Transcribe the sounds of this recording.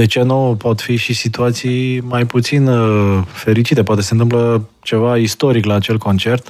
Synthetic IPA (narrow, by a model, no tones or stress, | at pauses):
d̪et͡ʃenopo̞t̪fiʃisit̪uat̪sijmajput̪sinfe̞ɾit͡ʃit̪e̞poat̪ese̞nt̪ɨmplə | t͡ʃe̞vaist̪o̞ɾiklaːt͡ʃe̞lko̞nt͡ʃe̞rt̪